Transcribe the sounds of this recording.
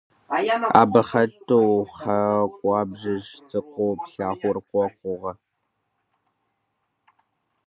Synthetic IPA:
ʔa̰ːbɐχɐtʰʼowχɐkʷʼɑːbʒɪʒt͡sʼɨqʷowpɬaːχʷʊrkʷɔkʷʼʊʁɐ

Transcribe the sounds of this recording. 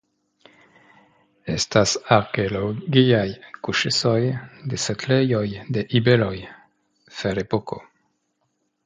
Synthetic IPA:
est̪asaɾkeoloɡiajkuʃesojd̪eseklejojd̪eʔibeloj | feɾepoko̰

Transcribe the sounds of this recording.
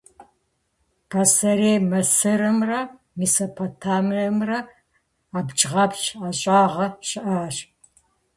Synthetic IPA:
pʰasɐɾeːmɐsɨɾɨmrɐ | misopʰotʰaːmɐmrɐ | aːbt͡ʃʼʁɐpt͡ʃʰaɕʼaːʁɐʃɪʔaːʃ

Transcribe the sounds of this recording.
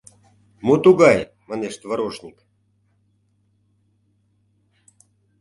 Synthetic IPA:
mut̪uɡɑj | mɑneʃt̪vəɾoʃnʲik

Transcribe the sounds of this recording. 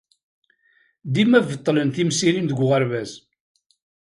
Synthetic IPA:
d̪imævət̪ˤːlənθimsiɾinðəɡʷʁəɾvæz

